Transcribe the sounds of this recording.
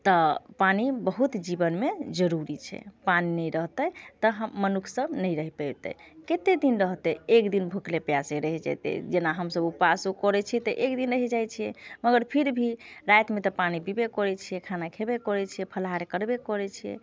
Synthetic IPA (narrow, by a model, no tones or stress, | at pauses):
t̪əpanibəɦut̪d͡ʒibənmed͡ʒəɾuɾit͡ʃʰɛ̰paninəjɾəɦt̪ət̪əɦəːənukʰsəbnəjɾəɦipɛt̪ɛ̰ket̪ed̪inɾəɦt̪ɛekd̪inbʱuklepjaseɾəɦɛd͡ʒa̰t̪ɛ̰d͡ʒenaɦəmsəbupasukɔɾɛt͡ʃʰiɛt̪əʔekd̪inɾəɦɛd͡ʒajt͡ʃʰijɛməɡəɾpʰiɾbʱiɾajt̪met̪ɔpanibibekɔɾɛt͡ʃʰijɛkʰanakʰebekɔɾɛt͡ʃʰijɛpʰəlɦaɾekəɾbekɔɾɛt͡ʃʰijɛ̰